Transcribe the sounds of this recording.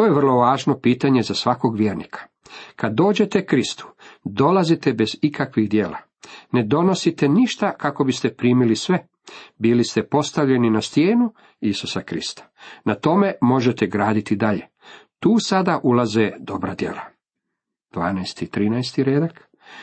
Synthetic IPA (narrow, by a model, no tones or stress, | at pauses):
t̪o̞ːjeʋr̩lˠo̞ʋaːʒno̞piːt̪aɲe̞zasʋako̞ɡʋjeːɾnḭkʰḁ | kad̪ːo̞ːd͡ʑe̞t̪e̞kɾist̪u̥d̪o̞lazit̪e̞be̞zikʰakʋiɣd̪jeːla̰ | ne̞d̪o̞no̞sit̪e̞niʃt̪akako̞bist̪e̞pɾiːmilisʋe | bilist̪e̞po̞st̪aʋʎe̞ninast̪jeːnu | isu̥sakɾḭst̪ḁnat̪o̞me̞mo̞ʒet̪e̞ɡɾaːd̪it̪id̪aʎe̞ | t̪uːsad̪aʔulazed̪o̞bɾad̪je̞̰la | d̪̥ʋaːnajst̪it̪ɾiːnajst̪iɾeːd̪ak